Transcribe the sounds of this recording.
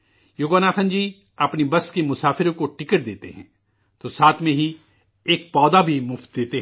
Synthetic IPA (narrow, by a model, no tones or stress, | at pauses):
joːɡaːnaːxə̃nd͡ʒiː | ɐpnibɐskemʊsaːfɪɾõkoʈɪkəɽd̪eːt̪ḛɦɛ̰̃ː | t̪osaːt̪ʰmẽɦi | eːk̚pɔːd̪abʱimʊft̪̚d̪eːt̪e